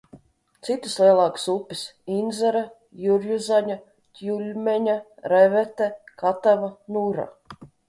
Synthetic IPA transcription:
t̪sit̪ɨslˠiɛlˠɑːkɨ̥supːisind̪zɛɾa | juɾjuzaɲa | t̪ʲjulʲmʲɛɲaɾɛvɛt̪ɛkat̪avanuɾa̰

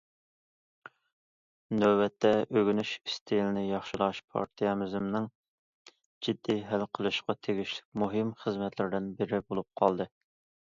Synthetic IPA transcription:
nøwbɛt̪ʰːɛʔøɡʲynyʃist̪ʰijlɪnɪjɑχʃɪlˠɑʃpʰɑ̰ɾt̪ʰijɑmɪzɪmnɪŋ | d͡ʒid̪ːiɦɛlqʰəlˠɨʃqɑt̪ʰeɡʲiʃlɪ̥k̚ʲmuɦɪmχəzmɛt̪ʰlɪɾɪd̪ɪnbɪɾɪbolˠup̚qʰɑlˠd̪ɨ

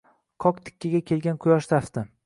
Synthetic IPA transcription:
qʰɒkt̪ʰɪ̥kʲːɪɡʲakʲʰe̞lɡʲanqʰʊjɒʃt̪aft̪ɪ

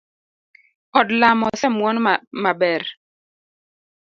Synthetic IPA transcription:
ɔdlamɔsɛmwɔnmabɛɾ

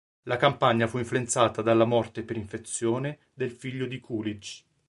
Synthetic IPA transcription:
lakampaɲːafuiɱfluent̪saːt̪ad̪alːamɔrt̪epeɾiɱfet̪sːjoːne | d̪elfiʎːod̪ikʰulid͡ʒ

